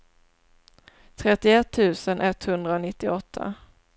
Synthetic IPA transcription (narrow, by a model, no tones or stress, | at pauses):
t̪ʰɾɛt̪ːɪɛt̪ʰːʉ̟ːsənʔɛt̪ːhɵnd̪ɾaɔnɪt̪ːɪɔt̪ʰːa̰